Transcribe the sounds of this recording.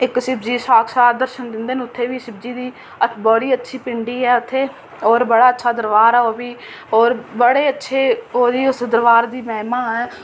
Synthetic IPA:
ɪksɪbd͡ʒiːʃaːkʰsaːd̪əɾʃənd̪ɪnd̪eːnʊt̪ʰːeːʋiːsɪb̚d͡ʒiːd̪iː | əbɔːɽiːətːʃʰiːpɪɳɖiːɛːʊt̪ʰːeː | oːɾbəɽaːətːʃʰaːd̪əɾʋaːɾɛːoːbiː | oːɾbəɽeːətːʃʰeːoːd̪iːʊsd̪əɾʋaːɾd̪iːmɛːmãːɛː

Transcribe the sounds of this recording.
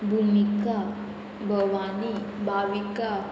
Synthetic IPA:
bʱumika | bʱəʋanibʱaʋika

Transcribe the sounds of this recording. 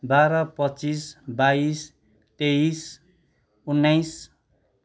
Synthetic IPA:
baɾʌpʌtːt͡sisbais | t̪eis | unːʌjs

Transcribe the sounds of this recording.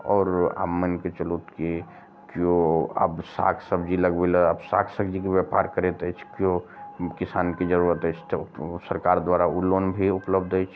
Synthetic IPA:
ɔːɾa̰ːbmənket͡ʃəlut̪ke | kjõə̰bsa̰kʰsəbd͡ʒiləɡbeləəbsa̰kʰsəbd͡ʒikebjapa̰ːɾkəɾet̪ɛt͡ʃʰkjõkɪsaːnkid͡ʒəɾuɾət̪ɦɛt͡ʃʰt̪osəɾkaːɾd̪waɾaulonbʱiʊpləbd̪ɛt͡ʃʰ

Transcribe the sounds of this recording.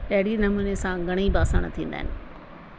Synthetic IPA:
tɐɦɪɽinɐmuːnesãɡʱɐɽ̃ibaːsəɽ̃t̪ʰĩːnd̪aːɦɪnɪ̆

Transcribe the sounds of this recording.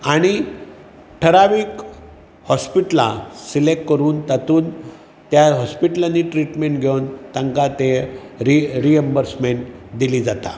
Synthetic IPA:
aɽ̃i | ʈʰəɾaʋiːk | hɔspiʈla̰silek̚ʈkːəɾuːnt̪at̪uːn | t̪jaɦɔspiʈlanːiʈɾiʈmeɳʈɡʱewnt̪aŋkat̪e | ɾiɾiəmbəɾsmeɳʈd̪iliːd͡zat̪a̰

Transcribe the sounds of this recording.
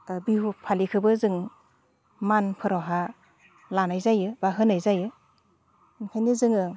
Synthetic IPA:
bihupʰalikʰɯbɯzɯŋ | manpʰɯɾɔɦa | lanajzajɯbaɦɯnajzajɯ | nkʰajnizɯŋɯ

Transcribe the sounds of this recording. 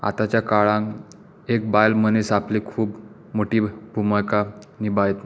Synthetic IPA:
a̰t̪at͡ɕjakaɭãŋ | ek̚bajlmənesaplikʰuːp | moʈiːbʱuməkanibajt̪na

